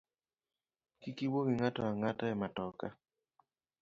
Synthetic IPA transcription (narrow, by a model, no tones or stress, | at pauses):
kikiwowiŋatɔaŋatɛɛmatɔka̰